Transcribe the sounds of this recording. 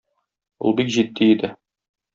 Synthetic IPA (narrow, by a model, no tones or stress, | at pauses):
ṵlˠbikʑid̪ːiid̪ɘ